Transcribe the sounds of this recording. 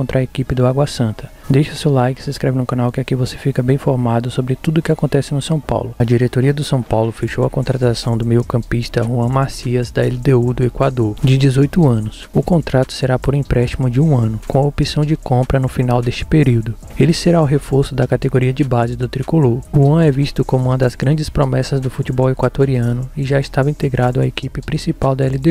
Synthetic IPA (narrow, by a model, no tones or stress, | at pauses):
õnt̪ɾɐekipɪd̪ʊaɡwɐsɐ̃nt̪ɐ̥ | d̪ejʃɐʊsewlajkɪ̥sɪiskɾɛvɪnũkɐ̃nawkɪakivosefikɐbẽj̃foɾmad̪ʊsobɾɪt̪ud̪ʊkɪakõnt̪ɛsɪnʊsɐ̃w̃pa̰wlʊɐd͡ʒiɾet̪oɾiɐd̪ʊsɐ̃w̃pawlʊfeʃowɐkõnt̪ɾat̪asɐ̃w̃d̪ʊmejʊkɐ̃piʃt̪ɐɦuɐ̃masiɐzd̪ɐɛld̪eud̪ʊekwad̪oɾd͡ʒɪd͡ʒɪzojt̪ʊɐ̃nʊs | ʊkõnt̪ɾat̪ʊ̥seɾapoɾĩpɾɛʃt͡ʃimʊd͡ʒɪũɐ̃nʊkõw̃ɐopisɐ̃w̃d͡ʒɪkõmpɾɐnʊfinawd̪est͡ʃɪ̥peɾiwd̪ʊ | elɪseɾaʊɦefoɾsʊd̪ɐkat̪eɡoɾiɐd͡ʒɪbazɪd̪ʊt̪ɾikoloɾhuɐ̃ɛvist̪ʊkõmʊũmɐd̪ɐzɡɾɐ̃nd͡ʒɪspɾomɛsɐzd̪ʊfut͡ʃibɔwekwat̪oɾiɐ̃nʊɪʒaist̪avɐĩt̪eɡɾʔad̪ʊɐekipɪpɾĩsipawd̪ɐɛlid̪e